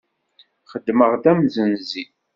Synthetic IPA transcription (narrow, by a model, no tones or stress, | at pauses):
χəd̪ːməʁðæmzənzi